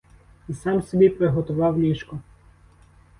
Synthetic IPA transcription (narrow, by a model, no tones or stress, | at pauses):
isɑmsʲɔbʲipɾeɦɔt̪ʊʋɑwnʲiʃkɔ